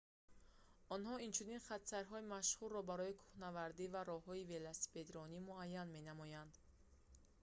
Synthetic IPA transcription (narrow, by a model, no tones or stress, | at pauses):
ɔnhɔint͡ʃʰuninχat̪saɾɦɔimaʃhurːɔbaɾɔikʰu̥hnavaɾd̪ivaɾɔhɔivelasi̥ped̪ɾɔnimuajːanme̞namɔjand̪